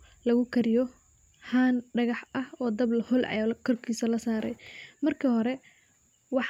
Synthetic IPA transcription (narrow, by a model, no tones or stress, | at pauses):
lɐɣʊkʰɐɾɪjɔ | haːnɖɐɣɑħɐhɔːd̪ɐblɐhʊlʕɑ̰jakʰɔrkʰiːsɐlɐsaːɾɛjmɐrkʰɐhɔɾɛ | wɑħ